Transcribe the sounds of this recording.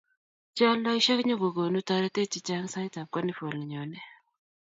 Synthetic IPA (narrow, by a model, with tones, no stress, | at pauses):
t͡ʃa˦lːa˦ʃa˦kɲo˦ɡo˨ɡo˨nu˦ta˨ɾɛ˦t̪e˦t͡ʃi˨t͡ʃa˦ŋsa˦jta˨p̚kɔ˦ni˦fo˨li˨ɲo˨nɛ˦